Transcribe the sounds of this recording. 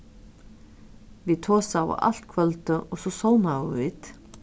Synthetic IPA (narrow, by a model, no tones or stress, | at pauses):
vit̪ʰɔːsawa̰a̰l̥t̪kʰvœlt̪ʏʔɔɣsɔsoːwnawʏvit̪